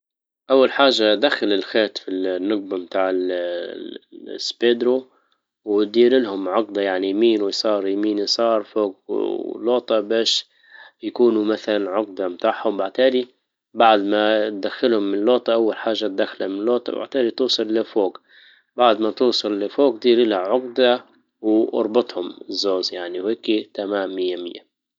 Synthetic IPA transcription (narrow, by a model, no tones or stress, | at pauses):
ʔawːalħaːʒːad̪axːalɪlxeːt̪finːʊɡ̚bamt̪aːʕɪl | ɪsbeːd̪ɾu | wd̪iːɾɪlhʊmʕʊqd̪ɑjaʕnijmiːnwɪjsˤɑːɾˤjamiːnɪsˤɑːɾˤfoːɡ̰loːt̪ˤɑbaːʃ | jakuːnumaθalanʕʊq̚d̪ɑmt̪aːʕhʊmbaʕt̪aːd̪i | baʕd̪mat̪̚d̪axːɪlhʊmːɪnloːt̪ˤɑʔawːalħaːʒːat̪̚d̪axːalhamɪnlːoːt̪ˤɑ̰ba̰ʕt̪aːd̪it̪uːsˤɨlːɪfoːɡ | baʕd̪mat̪uːsˤɑlːɪfoːɡd̪iːɾɪlhaʕʊqd̪a | wʔɑ̰ɾˤbɑt̪ˤhʊmzːoːzjaʕniwheːkit̪amaːmːɪjːamɪ̰jːa̰